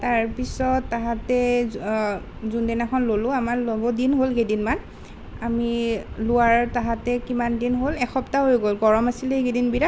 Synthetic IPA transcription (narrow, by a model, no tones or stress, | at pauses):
taɹpisɔtːaɦatɛ | zundɛnakʰɔnlolʊ̃amaɹlobɔdinɦolɡedinman | amilʊwaɹtaɦatɛkimandinɦolɛxɔptaɦojɡolɡɔɹɔmasilɛiɡedinbiɹa